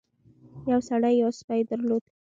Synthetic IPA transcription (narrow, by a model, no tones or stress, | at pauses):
jawsaɽajːawspajd̪əɾlod̪